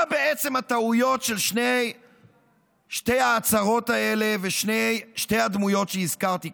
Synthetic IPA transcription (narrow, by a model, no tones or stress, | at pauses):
abeet͡se̞mhat̪aujo̞tʃe̞lʃnej | ʃte̞jaːt͡saʁo̞t̪ae̞le̞veʃnejʃte̞jhad̪mujo̞tʃeizkaʁt̪i